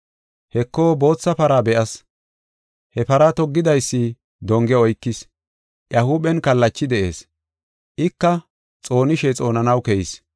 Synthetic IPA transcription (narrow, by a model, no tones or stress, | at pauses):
hɛkːoːbo̞ːt͡sːɐpɐɾaːbɛʔɐs | hɛpɐɾɐt̪ɔɡːɪd̪ɐjsːɪ | d̪ɔŋɡɛɔjkːɪs | jɐhubɛnkɐlːɐt͡ʃːɪd̪ɛʔe̞̰ːs | ʔɪkːɐ | t͡sʼo̞ːnɪʃɛt͡sʼo̞ːnɐnɐwkɛjɪs